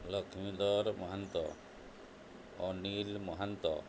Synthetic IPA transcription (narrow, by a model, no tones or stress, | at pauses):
lɔkʰimid̪ɔɾmɔɦant̪ɔ̰ | ɔnilmɔɦant̪ɔ̰